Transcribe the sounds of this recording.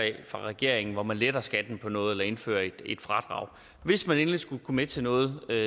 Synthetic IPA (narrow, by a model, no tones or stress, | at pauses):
fʁɑ̈ʁɛɡ̥e̝ɐ̰eŋn̩ʋɒmænled̥ɐsɡ̥æd̥n̩pʰɒ̽nɔ̽ːð̞̩ˠelɐe̝nfø̰ːɐe̝d̥e̝d̥fʁɑ̈d̥ʁɑ̰̈ʊ̰ | ʋe̝smæne̝ːnlisɡ̥ukʰumet͡sʰe̝nɔ̽ːð̞̩ˠ